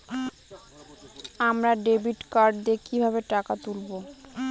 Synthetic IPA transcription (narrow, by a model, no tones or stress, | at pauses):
amɾaɖebiʈkaɾɖd̪ekibʱabeʈakat̪ulbo